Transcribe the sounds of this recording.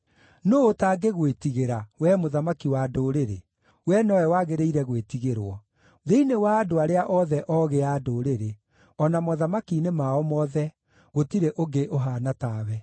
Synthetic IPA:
noːtaːɡeɣwetiɣeɾawɛmoðamakiwaːdoɾeɾe | wɛnɔɛwaːɣeɾeiɾɛɣwetiɣeɾwɔ | ðeinewaːdoaɾeaʔɔðɛʔɔɣeadoːɾeɾe | ɔnamɔðamakinemaɔmɔðɛ | ɣotiɾeʔoɡeʔoɦaːnataːwɛ

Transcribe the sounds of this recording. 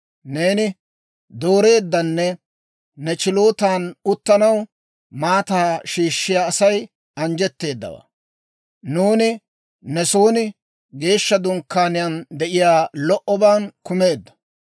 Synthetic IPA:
ne̞ːnɪ | d̪o̞ːɾe̞ːd̪ːɐnːɛ | nɛt͡ʃɪlo̞ːt̪aːnʊt̪ːɐnɐw | maːt̪aːʃiːʃːɪjaːsɐj | ɐnd͡ʒɛt̪ːe̞ːd̪ːɐ̰wa̰ː | nuːnɪ | nɛsoːnɪ | ɡe̞ːʃːɐd̪ʊŋkːaːnɪjɐnd̪ɛʔɪjaːlɔʔɔbaːnkʊme̞ːd̪ːɐ̥

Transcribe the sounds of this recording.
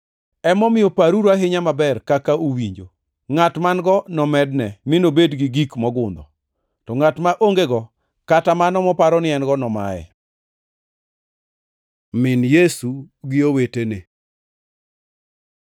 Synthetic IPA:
ɛmɔmɪjɔpaɾuɾaɦɪɲamabɛrkakaowiɲd͡ʒo̰ | ŋatmanɡɔnɔmɛdnɛmɪnobedɡɪɡikmɔɡʊnd̪ɔ̰ | tɔŋatmaʔoŋɡeɡɔ | katamanɔmɔpaɾɔnɪɛnɡɔnɔma̰ɛ̰ | mɪnjesuɡɪowetene

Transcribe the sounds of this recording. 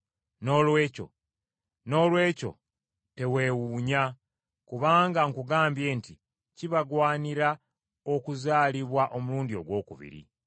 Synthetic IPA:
no̞ːlwe̞ːco̞̰ | no̞ːlwe̞ːco̞̰ | te̞we̞ːwuːɲa | kuβaːŋɡaŋkuɡaːmbje̞ːnti | ciβaɡwaːniɾa | o̞kuzaːliβwaʔo̞muluːndio̞̰ɡwo̞ːkṵβḭɾḭ

